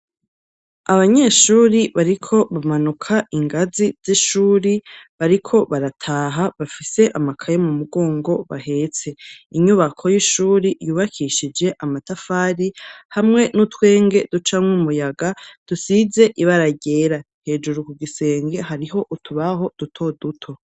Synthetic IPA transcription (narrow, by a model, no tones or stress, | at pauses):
aβaɲe̞ːʃuːɾiβaɾikʰo̞βamanukʰaʔiŋɡaziz̥iʃuːɾiβaɾikʰo̞βaɾatʰaːɦaβafise̞ʔamakʰajomumuɡo̞ːŋɡo̞βa̰ɦe̞t͡se̞iɲuβakʰo̞jiʃuːɾijuːβakʰiʃid͡ʒe̞ʔamatafaːɾihamŋe̞nutwe̞ːŋɡe̞dut͡ʃamŋumujaɡad̥usize̞ʔiβaɾaɟe̞ːɾa | he̞ːd͡ʒuɾukuɡise̞ːŋɡe̞haɾiɦo̞ʔutʰuβaɦo̞d̥utʰo̞dutʰo̞